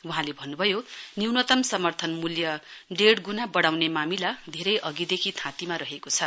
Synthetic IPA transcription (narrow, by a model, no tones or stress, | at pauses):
uɦãlebʱʌnːubʱʌjoniwnʌt̪ʌmsʌmʌrt̪ʰʌnmuljʌɖeɽɡunabʌɽawnemamilad̪ʱeɾʌjʔʌɡid̪ekʰit̪ʰãt̪imaɾʌɦekot͡sʰʌ